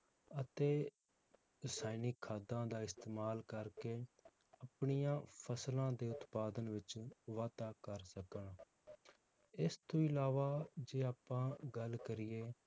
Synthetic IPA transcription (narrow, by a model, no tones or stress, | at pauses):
ət̪eː | ɾɪsaːinikʰːaːd̪ãːd̪aːɪst̪eːmaːlkəɾkeː | əpɳijãːpʰəslãːd̪eːʊt̪paːd̪ənʋɪt͡ʃʋaːt̪aːkəɾsəkəɳː | ɪst̪õːɪlaːʋaːd͡ʒeːaːpːãːɡəlkəɾɪjeː